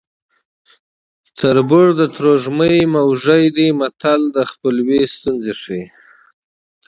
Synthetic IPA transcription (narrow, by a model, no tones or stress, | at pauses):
t̪ʰəɾbʊɽd̪ət̪ɾoʐməjmawʐəjd̪imat̪ald̪əxpəlwest̪unzeʂi